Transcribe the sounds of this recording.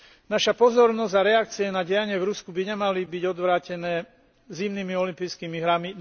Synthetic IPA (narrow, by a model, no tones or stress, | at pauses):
naʃapɔzɔɾnɔzɟaɾɛak̚t͡siɛnaɟɛjaɲɪɛvɾuskubiɲɛmalibiɟɔd̪ʋɾaːcɛnɛː | zimnimiɔlimpiːjskiːmiɦɾami